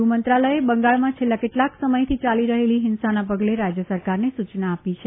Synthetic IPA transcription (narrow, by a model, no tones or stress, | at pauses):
umənt̪ɾaləjebəŋɡaɭmãt͡ʃʰelːakeʈlaksəməjt̪ʰit͡ʃaliɾəɦeliɦɪnsanapəɡleɾad͡ʒjəsəɾkaɾnesut͡ʃnaːpit͡ʃʰe